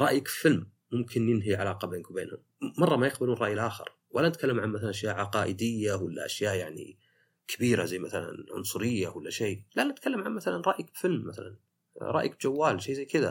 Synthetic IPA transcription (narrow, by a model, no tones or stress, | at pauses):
ɾˤɑʔjakfɪlmː | ʊmkʰɪnjɪnɦiʕalaːqɑbeːnkʊmbeːnhʊm | mɑrˤːɑmajɪqbalunrˤɑːʔjɪlʔaːxɪ̰ɾ | walːanɪt̪kalːamʕanmaθalanʔaʃjaːʔʕɑqɑːʔɪd̪ɪjːawalːa̰ʔaʃjaːʔjaʕnḭ | kʰabiːɾa̰zajːmaθala̰nʕʊ̰nsˤʊɾɪjːawalːaʃeːlanːɪt̪kalːamʕanmaθalanɾˤɑʔjakbfɪlmːaθalan | ɾˤɑːʔjak̚d͡ʒawːaːlʃejːzajːkɪða̰